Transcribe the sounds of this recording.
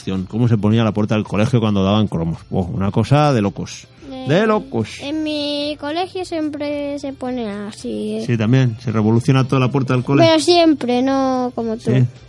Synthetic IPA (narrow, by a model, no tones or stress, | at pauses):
θjoŋko̞mose̞ponialapwe̞ɾt̪aðelko̞le̞xjokwand̪oðaβaŋkɾo̞mospwo̰ṵnako̞saðe̞lo̞kos | d̪elokosemmiko̞le̞xjosje̞mpɾese̞po̞neasisit̪amje̞nsereβo̞luθjo̞nat̪oalapweɾt̪aðelkoleeɾos̬jempɾenokomot̪ui